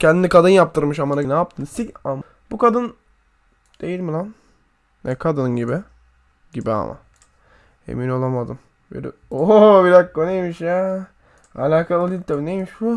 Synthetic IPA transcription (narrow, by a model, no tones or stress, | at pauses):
cʰɛnd̪inikad̪ɯnjap̚t̪ʰɯɾmɯʃamananaːp̚t̪ʰɯnsicam | b̥ukad̪ɯn | d̪̥ejilʲmilˠam | nʔɛkʰad̪ɯnnɟibɪ | ɟibia̰ma̰ | e̞̰mino̞lˠamad̪ɯm | bø̰ɾḭobiɾakkonejmiʃja | a̰lʲaːkʰalˠalʲilt̪ʰabinejmiʃbu